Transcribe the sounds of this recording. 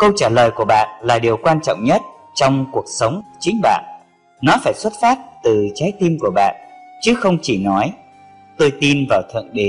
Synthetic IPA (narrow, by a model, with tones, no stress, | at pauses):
kə˧wt͡ɕaː˧˩ləː˨˩jku˧˩əɓa̰ː˧˨nlaː˨˩ɗi˨˩əwkwaː˧nt͡ɕɔ̰˧˨wŋ͡mɲə˦˥t̚ | t͡ɕɔ˧wŋ͡mku˨˩ək̚sə˨˦wŋ͡mt͡ɕï˨˦ŋ̟ɓa̰ː˧˨n | nɔ˨˦faː˧˩jswə˦˥t̚faː˦˥t̚t̪ɨ˨˩t͡ɕaː˨˦jt̪i˧mku˧˩əɓa̰ː˧˨nt͡ɕɨ˨˦xə˧wŋ͡mt͡ɕi˧˩nɔ˨˦j | t̪o˧jt̪i˧nvaː˨˩wt̪ʰə̰˧˨nɗe˨˦